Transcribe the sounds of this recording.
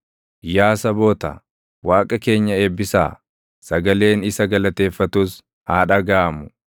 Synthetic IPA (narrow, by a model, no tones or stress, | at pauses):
jaːsɐboːt̪ɐ̰ | waːkʼɐke̞ːɲːɐeːbːɪsa̰ː | sɐɡɐle̞ːnɪsɐɡɐlɐt̪e̞ːfːɐt̪uːs | haːᶑɐɡaːɐmʊ̥